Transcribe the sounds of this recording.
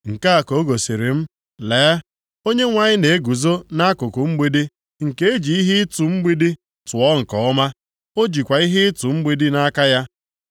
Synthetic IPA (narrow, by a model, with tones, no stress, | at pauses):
ŋ̩˨ka˦a˨ko˨o˦ɡo˨si˨ɾi˨m̩˦ | leː˨˦ | o˦ɲe˦ŋʷa˦ɲɪ˦ne˨e˦ɡu˨zo˦na˦kʊ˨kʊ˨ŋ͡m̩˦ɡ͡bi˦di˦ | ŋ̩˨ke˦e˦d͡ʒi˨i˦ɦɪ˦tu˨ŋ͡m̩˦ɡ͡bi˦di˦ | tʊ˨ɔ˦ŋ̩˨kɔ˨˦ma˦ | o˦d͡ʒi˨kʷa˨i˦ɦɪ˦ɪ˦tu˨ŋ͡m̩˦ɡ͡bi˦di˦na˦ka˦ja˦